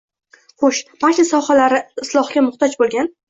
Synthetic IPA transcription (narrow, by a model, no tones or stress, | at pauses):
χoʃmakɪsɒχalaɾɪɪslˠɒχɡʲamʊχt̪ɒd͡ʒbolˠɡʲan